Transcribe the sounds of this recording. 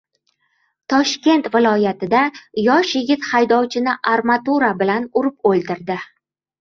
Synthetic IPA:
t̪ʰɒʃkʲe̞nt̪vɪlˠɒjat̪ʰɪd̪ajɒʃjɪɡʲɪt̪hajd̪ɒwt͡ʃʰɪnɪʔaɾmat̪uɾabɪlanʊɾɪpolˠd̪ɪɾd̪ɪ

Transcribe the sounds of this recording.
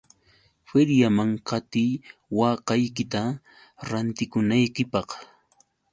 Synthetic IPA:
feɾjamaŋqɑt̪ijwɑːqɑjkɪt̪a | ɾant̪ɪkʊnajkɪpɑχ

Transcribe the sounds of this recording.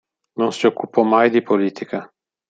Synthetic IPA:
nonsiokːupɔmajd̪ipoliːt̪ʰika

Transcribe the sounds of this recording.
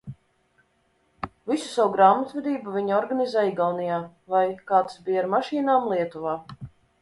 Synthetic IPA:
visu̥sawuɡɾaːmat̪vɛd̪iːbuvʲiɲɔɾɡanizɛiɡawnijaː | vajkaːt̪sbiːaɾmaʃiːnaːmlˠiɛt̪uvaː

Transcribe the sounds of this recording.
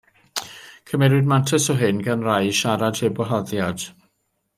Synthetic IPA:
kʰəmɛɾɪdmantʰəsɔɦɪnɡanrajʃaɾad̥hebɔɦɔðjad̥

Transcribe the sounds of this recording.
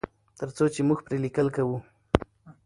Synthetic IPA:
t̪əɾt͡sot͡ʃemʊxpɾelɪkəlkawu

